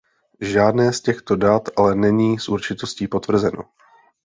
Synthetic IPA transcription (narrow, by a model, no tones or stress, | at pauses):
ʒaːdnɛːscɛxt̪o̞dat̪ʔalɛnɛɲiːsʔuɾt͡ʃɪt̪o̞sciːpo̞t̪vr̩zɛno̞̰